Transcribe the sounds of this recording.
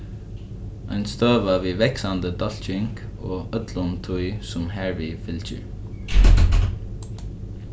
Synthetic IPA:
aɪnst̪øːʋaʋiːʋɛksand̪əd̪ɔl̥t͡ʃɪŋk | oːœt̪lʊnt̪ʰuɪsʊmɦæɹʋifɪlt͡ʃə̰ɹ

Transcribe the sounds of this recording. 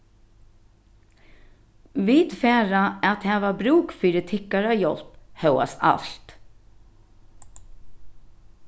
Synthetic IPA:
ʋiːd̪fæːɾaat̪hɛːʋabɾuːkfyːɾət̪ʰɪkːaɾajɔlphœwa̰sa̰lt̪

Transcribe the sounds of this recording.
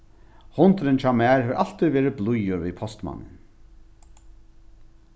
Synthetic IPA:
hʊnt̪ɾɪnt͡ʃʰaːmæːɹheʋɾʔal̥t̪iðʋeːɾɪblʊjʊɾviðpʰɔst̪ma̰nːɪ̰n

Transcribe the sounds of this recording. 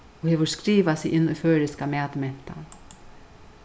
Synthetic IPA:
ɔhɛːʋʏɾ̥skɾiːʋasɪʔɪnːʊføːɾɪskamɛːt̪mɛn̥t̪a̰

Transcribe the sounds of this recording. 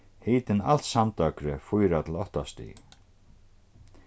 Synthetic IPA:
hiːt̪ɪnal̥t̪samt̪œkɾɪfujɾat̪ʰɪlɔht̪ast̪ḭ

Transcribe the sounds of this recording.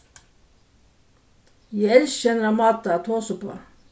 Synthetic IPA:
jæɛlʃɛnəɾɑːmɑːt̪əɑt̪ʰoːsəpʰo̰ː

